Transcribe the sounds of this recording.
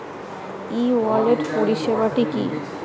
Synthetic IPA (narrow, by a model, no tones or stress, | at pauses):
ialeʈpoɽiʃebaʈikḭ